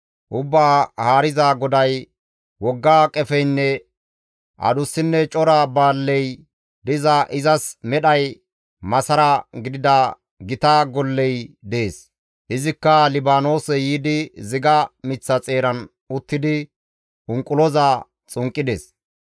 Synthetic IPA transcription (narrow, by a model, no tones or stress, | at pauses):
ʔʊbːaːhaːɾɪzaɡɔd̪ɐj | wɔɡːaːkʼɛfɛjnːɛ | ʔɐ̰d̪ʊsːɪnːɛt͡ʃʼɔɾabaːlːɛj | d̪ɪzɐʔɪzɐsmɛɗɐj | mɐsɐɾɐɡɪd̪ɪd̪ɐ | ɡɪt̪aɡɔlːɛjd̪e̞ːs | ʔɪzɪkːɐlɪbaːno̞ːsɛjiːd̪ɪzɪɡɐmɪt͡sːɐt͡sʼe̞ːɾɐn | ʊt̪ːɪd̪ɪ | ʔʊŋkʼʊlɔzaː | t͡sʼʊŋkʼːɪd̪es